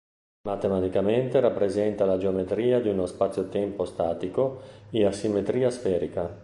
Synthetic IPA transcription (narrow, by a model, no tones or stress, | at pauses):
mat̪emat̪ikament̪eɾapːɾezɛnt̪alad͡ʒeomet̪ɾiːad̪iunospat̪sjot̪ɛmpost̪aːt̪ikoeasːimːet̪ɾiːasfɛːɾika